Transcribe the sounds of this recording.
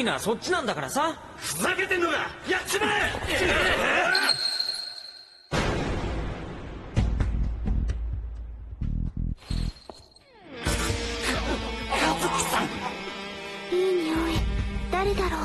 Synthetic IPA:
inaso̞t͡ɕt͡ɕ͈ːinãnd̪akaɾasa | fɯzaket̪ẽnːoɡajat͡ɕima | e | kazɨki̥sãŋ | iːɲʲioid̪̥aɾed̪aɾoː

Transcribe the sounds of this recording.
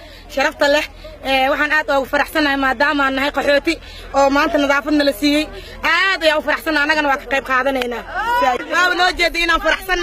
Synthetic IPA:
ʃɐɾɑft̪ʰɐlɛh | ɛːwɑħɑːnaːd̪ɔːɣʊfɐɾɑħsɐnɐhɛmaːd̪aːmaːnːɐɦɐjqɑħɔːt̪ʰɪ | ʔɔːmaːnt̪ʰɐnɐðɑːfɐd̪nɐlɐsiːjɛj | ʔaːd̪ɐjaːʊfɐɾɑħsɐnaːɐnːɐɣɐnɐwɑːkʰɐ̥qɛjb̚qɑːðɐnɛjnaːsawaːβɐnɔːt͡ʃɛːd̪ɐːɪnaːnfɐɾɑħsɐn

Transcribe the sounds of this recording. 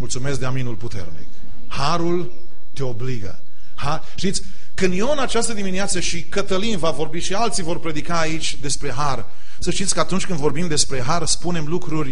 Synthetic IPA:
mult̪sume̞sk̚d̪eaminulput̪e̞̰rnḭk | haɾul | t̪e̞o̞bliɡə̰ | ha | ʃt̪it̪sʲ | kɨnd̪jo̞nat͡ʃast̪əd̪imineat̪səʃikət̪əlinvavo̞rbiʃialt̪sivo̞rpɾe̞d̪ikaːit͡ʃʲd̪e̞spɾe̞ɦar | səʃt̪it̪sʲkəat̪unt͡ʃʲkɨnd̪vo̞rbimd̪e̞spɾe̞ɦarspune̞mlukɾurʲ

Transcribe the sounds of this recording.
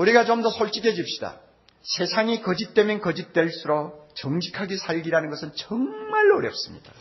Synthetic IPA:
uɾiɡat͡ɕomdʌsʰoɭt͡ɕ͈iɡed͡ʑip̚ɕ͈i̥da̰ | sʰe̞sʰaŋikʌd͡ʑit̚t͈e̞mjʌnkʌd͡ʑit̚t͈we̞ɭs͈uɾot͡ɕʌŋd͡ʑikʰaɡesʰaɭɡiɾanɯnɡʌsʰɯnt͡ɕʌŋmaɭːoɾjʌp̚s͈ɯmɲid̥a

